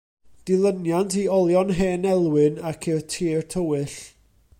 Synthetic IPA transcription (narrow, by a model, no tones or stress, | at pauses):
d̥ɪlˠənjantʰiɔlˠjɔnɦeːnɛlˠwɨnakʰɪrtʰiːrtʰəwɨɬ